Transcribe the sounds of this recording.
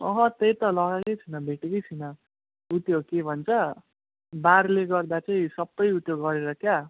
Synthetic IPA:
ʌ̰ɦʌ̃t̪ejt̪ʌlʌɡakʌjt͡sʰʌnʌbʱeʈʌkʌjt͡sʰinʌ | ut̪jokebʱʌnt͡sʰʌ | baɾleɡʌrd̪at͡saĩsʌbːʌjut̪joɡʌɾeɾʌkja

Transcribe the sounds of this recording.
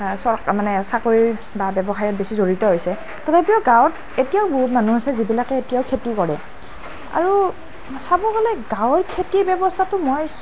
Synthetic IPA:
sɔɹkmanɛsakoɹi | babɛbɔxajɔt̚besizoɹitɔɦojsɛ | tɔtʰapiɔɡãwt | etijaʊboɦutmanuasɛzibilakɛetijaʊkʰetikɔɹɛ | a̰ɹu | sabɔɡalɛɡãwɹkʰetiɹbɛbɔstʰatʊmoj

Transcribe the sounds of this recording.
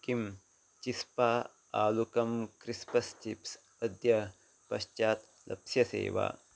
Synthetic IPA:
kim | t͡ʃispaː | aːlukɐmkɾispɐst͡ʃips | ɐd̪jɐ | pɐʃt͡ʃaːt̪ | lɐ̰psjɐsḛːʋa̰ː

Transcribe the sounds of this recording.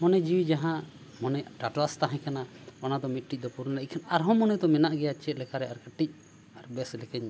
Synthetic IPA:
mɔnɛd͡ʒiwid͡ʒaɦã | mɔnɛʈaʈlast̪aɦãkanaɔnad̪ɔmit̪̚ʈic̚d̪ɔpuɾnalɛʔ̚kʰanaɾɦɔ̃mɔnɛd̪ɔmɛnaʔɡɛjat͡ʃɛlɛkaɾɛaɾkəʈːic̚ | aɾbɛslɛkɛɲ

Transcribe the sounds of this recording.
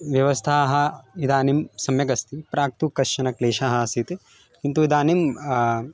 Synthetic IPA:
ʋjɐʋɐst̪ʰaːɦɐid̪aːnimsɐmjɐkɐst̪ʰipɾaːk̚t̪ukɐʃɐnɐkleːʃaɦɐ̆sit̪ | kint̪uid̪aːnim

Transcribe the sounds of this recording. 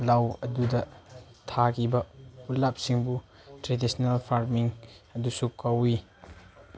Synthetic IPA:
lɐwɐdudɐtʰakʰibɐulɐp̚siŋbu | tɾedisnalpʰaɾmiŋɐdusukɐwi

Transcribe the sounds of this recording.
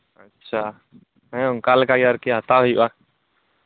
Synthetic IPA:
ətːʃʰa | ɦɛ̃kalkaɡaɾkeɦət̪aɦoiba

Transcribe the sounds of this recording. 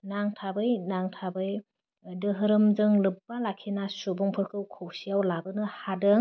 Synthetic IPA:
naŋtʰabɯjnaŋtʰabɯj | dɯɦɯɾɯmzɯŋlɯpːalakʰinasubɔŋpʰɯkʰɯwkʰowsijawlabɯnɯhadɯ

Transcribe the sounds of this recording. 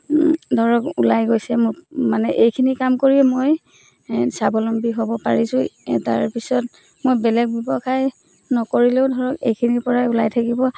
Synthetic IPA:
dʱɔɹɔkulajɡojsɛmʊmanɛʔejkʰinikamkoɹiɛmoj | sabɔlɔmbiɦobɔpaɹisʊ̃taɹpisɔt | mojbɛlɛk̚bibɔkʰaj | nɔkoɹileʊdʱɔɹɔkḛjkʰiniɹpɔɹajulajtʰakibɔ

